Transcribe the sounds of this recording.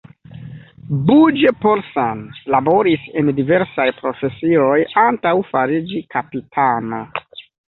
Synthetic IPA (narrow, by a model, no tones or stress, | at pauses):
bud͡ʒepolsanlabo̞ɾise̞ndive̞ɾsajpɾo̞fe̞sio̞jantawfaɾid͡ʒikʰapitʰano